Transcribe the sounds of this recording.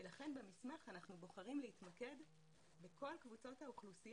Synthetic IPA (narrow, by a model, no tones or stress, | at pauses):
elaχe̞nbemismaχanaχnubo̞χaʁimleit̪make̞d | bekʰo̞lkvut͡so̞thauχlusi